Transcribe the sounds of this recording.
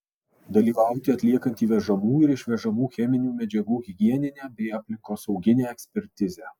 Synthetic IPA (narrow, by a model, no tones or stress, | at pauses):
d̪ɐlʲiːʋɑˑʊt̪ʲɪɐt̪ʲlʲiɛkɐnʲt̪ʲiːʋʲɛʒɐmuːɪɾɪʃʲʋʲɛʒɐmuːxʲɛmʲɪnʲuːmʲɛd͡ʒʲɛɡuːɣʲɪɡʲiɛnʲɪnʲæːbʲɛɪɐpʲlʲɪŋkoːsɒʊɡʲɪnʲeːɛksʲpʲɛɾʲt̪ʲɪzʲæː